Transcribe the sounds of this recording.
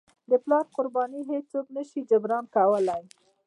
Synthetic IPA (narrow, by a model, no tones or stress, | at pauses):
d̪əplɑɾqʊɾbɑniɦet͡ʃt͡soknəʃid͡ʒabɾɑnkawəlaj